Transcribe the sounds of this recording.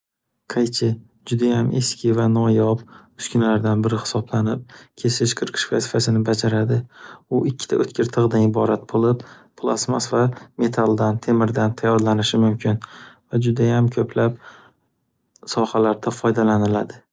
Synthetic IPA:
qʰajt͡ʃʰɪ | d͡ʒʊd̪ajamʔe̞skʲɪvanɒjɒpʊskʰʲʊnlaɾd̪anbɪɾɪhɪ̥sɒblanɪp̚kʲʰe̞sɪʃqʰɨɾqʰɨ̥ʃfasɪfasɪnɪbad͡ʒaɾad̪ɪʊɪkʲʰːɪ̥t̪ʰa̰ʔɵt̪kʲʰɪɾt̪ʰɨʁd̪anɪbɒɾat̪̚bolˠɪppʰlˠa̰smasvame̞t̪ʰalˠd̪ant̪ʰe̞mɪɾd̪ant̪ʰajːɒɾlanɪʃɪmʊmkʲʰɪnvad͡ʒʊd̪ajamkʲʰɵplap̚ | sɒhalaɾd̪afɒjd̪alanɪlad̪ɪ

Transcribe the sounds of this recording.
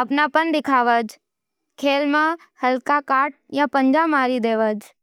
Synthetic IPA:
ɐpnapənd̪ɪkʰaːʋəd͡ʒ | kʰeːlmã | həlkakaːʈ̚jãpəɲd͡ʒamaːɾid̪eːʋəd͡ʒ

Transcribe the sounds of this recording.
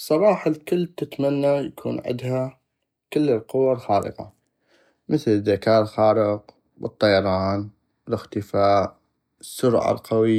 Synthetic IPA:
sˤɑbɑːħalkʊlːt̪ɪt̪manːajakʰṵːnʕɪ̰d̪ha | kɪlːlqʊwalxɑːɾɪ̰qa̰ | məθlɪðːakaːɾˤxɑːɾɪq | bɨt̪ˤːɑjɑɾˤɑːn | lɪxt̪ɪfaːʔ | sːʊɾʕa̰lqaw

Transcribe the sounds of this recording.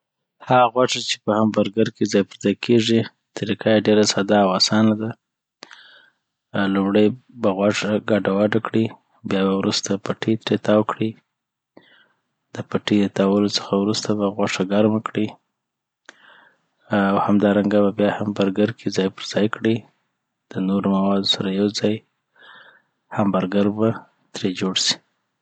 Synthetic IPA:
haɣaɣwaʂat͡ʃe̥pəhambaɾɡaɾkezɑjpəɾzɑjkʰeʐi | t̪ɾikajaɖeɾasad̪ɑːwasɑnad̪a | lumɽəjbaɣwaʂaɡaɖawaɖakɽi | bjɑbawɾust̪apaʈʰit̪ɾet̪ɑwəkɽi | d̪̥əpaʈed̪ət̪ɑwəlot͡sə̥xawɾust̪abaɣwaʂaɡaɾməkɽi | awhamd̪ɑɾaŋɡaβabjɑhambaɾɡaɾkʰizɑjpəɾzɑjkɽi | d̪̥ənoɾomawɑd̪osaɾajawzɑj | hambaɾɡaɾba | t̪ɾed͡ʒoɽsi̥

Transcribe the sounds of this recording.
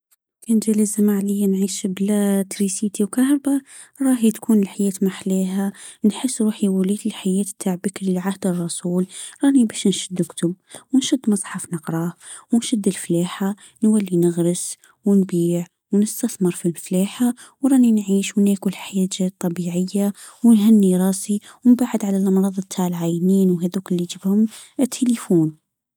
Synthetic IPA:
kʰænʒæləzamaʕləjːanʕiːʃblæt̪ɾisit̪iwkɑhɾˤba | ɾˤɑɦit̪kʰuːnəlħajæːt̪maħleɦænħəsːɾuːħiwælid̪əlħajæːt̪b̚t̪ʰaʕbəkɾilʕahd̪ərˤːɑsuːlɾˤɑnibæʃnʃʊd̪ːəkt̪ʊb̚wnʃʊd̪ːmɑsˤħɑfnəqɾˤɑwnʃʊd̪ːəlflæːħa | nwalːinɪɣɾɪs | wnbiːʕ | wnɪst̪aθmɨɾˤfilflaːħa | wɾˤɑːninʕiːʃwneːkulħajɛːd͡ʒeːt̪̚ˤːɑbiːʕɪjːawnɦanːiɾˤɑːsiwɪmbaʕɪd̪ʕalalʔɑmɾˤɑːðˤt̪ʰːaʕlʕaːjniːnwɦæðuːkɪlːid͡ʒɪbhʊmt̪ʰːelifuːn

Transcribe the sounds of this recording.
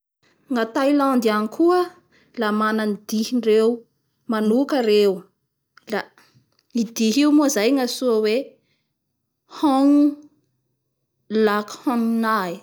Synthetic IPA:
ŋat̪ajlãnd̪anikʰuə | lamananid̪̥ihiɳɖ͡ʐew | manukəɾew | la | id̪iɦiwmuzajŋasuəwe | hɔŋu | lakhɔ̃nunai

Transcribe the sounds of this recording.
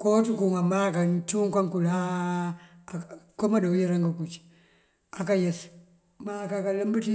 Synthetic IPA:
kotukuŋamakant͡ʃuŋkaŋkula | komadojiɾaŋɡakut͡ʃ | akajes | makakaləmbəti

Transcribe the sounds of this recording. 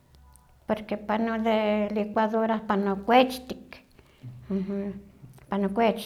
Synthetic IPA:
poɾkepanoðelikʷaðoɾapanokʷet͡ʃt̪ik | h | panokʷet͡ʃ

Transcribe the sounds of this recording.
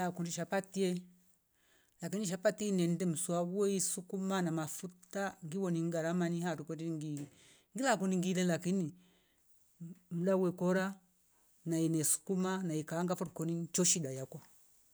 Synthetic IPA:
akundiʃapatiɛ | lakiniʃ̬apatinɛndɛm̩swaɡuɛisukumanamafutaŋɡiwɔniŋɡaɾamanihatukɔndiiŋɡi | ŋɡilakundiŋɡilɛlakini | m̩lawɛkɔɾa | nainɛsu̥kumanaikaːŋɡafɔɾukɔnit͡ʃɔʃidajakwa

